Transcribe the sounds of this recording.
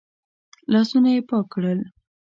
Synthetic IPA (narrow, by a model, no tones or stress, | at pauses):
lɑsunajepɑkɽəl